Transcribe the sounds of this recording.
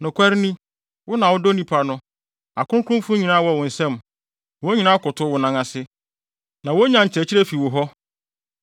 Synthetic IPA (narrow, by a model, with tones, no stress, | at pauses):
nʊ̃˨kʰʷa˦ɾnĩ˦ | wʊ˦nã˨wʊ˦do˦nĩ˦˨pʰa˨nʊ̃˦ | a˨kʰʊ̃˦kʰʊ̃˦fʊ̃˦ɲĩ˨nã˦wɔ˦˨wʊ̃˨n̩˨sɛ̃˦m | wo˦ɲĩ˨nã˦kʊ˨tʰʊ˦wʊ˨nã˨ŋã˨sɪ˦ | nã˨wo˦ɲã˨ɲ̩˨t͡ɕʰɛ˨t͡ɕʰi˦ɾɛ˦fi˨wʊ˨ɦɔ˦